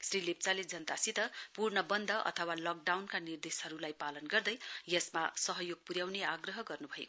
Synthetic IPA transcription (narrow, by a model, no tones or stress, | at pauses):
srilep̚t͡saled͡zʌnt̪asit̪ʌpurnʌbʌnd̪ʱʌʔʌ̰t̪ʰʌwalʌk̚ɖawnkanird̪esɦʌɾulajpalʌnɡʌrd̪ʌjjʌsmasʌɦʌjoɡ̚puɾjawneaɡrʌɦʌɡʌrnubʱʌjḛo